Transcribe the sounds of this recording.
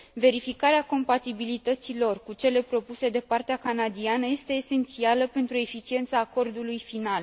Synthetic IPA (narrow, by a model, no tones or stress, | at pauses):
ve̞ɾifikaɾeako̞mpat̪ibilit̪ət̪silo̞rkut͡ʃe̞le̞pɾo̞puse̞d̪e̞part̪eakanad̪ianəje̞st̪e̞ːse̞nt̪sialəpe̞nt̪ɾue̞fit͡ʃie̞nt̪saːko̞rd̪ulujfinal